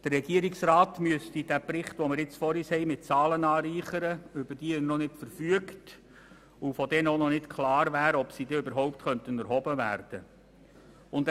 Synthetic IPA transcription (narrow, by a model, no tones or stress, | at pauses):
d̥ərːɛɡiəɾiksrɑːtmyəstid̥æpɾɪχtʋɔməɾɪt͡sfɔɾiːshɛɪmɪt̚t͡sɑːlənɑːɾiːχəɾəʏbərd̥iːɪnɔnɪtfəɾfyəkt | ufɔdɛnəonɔnɪtkʰlɑːɾvæːɾəɔpsiːdɛøbəɾɦɔʊptχœntənæɾɦɔbəvæ̰ːɾd̥ə | ʊnd